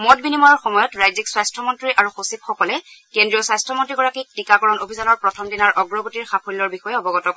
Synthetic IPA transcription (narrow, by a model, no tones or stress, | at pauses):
mɔtbinimɔjɔɹxɔmɔjɔtɹajzikswajstʰɔmɔntɹiʔaɹuxosip̚xɔkɔlɛkendɹiɔswajstʰɔmɔntɹiɡɔɹakik̚tikakɔɹɔnobʱizanɔɹpɹɔtʰɔmdinaɹʔɔɡɹɔɡutiɹxapʰulːɔɹbixɔjɛɔbɔɡɔtɔ